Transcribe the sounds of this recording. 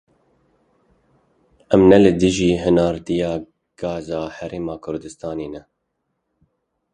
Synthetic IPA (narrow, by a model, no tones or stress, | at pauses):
ʔɛmnɛlɨd̪ɨʒiːɦɨnɑːɾd̪ijɑː | ɡ̥ɑːzɑːhɛɾeːmɑːkʰʊɾd̪ɨst̪ɑːneːnɛ